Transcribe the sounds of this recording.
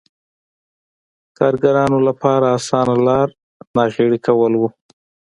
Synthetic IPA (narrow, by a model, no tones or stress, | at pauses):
kɑɾɡaɾɑnolapɑɾaːsɑnalɑɾ | nɑɣeɽikawəlwu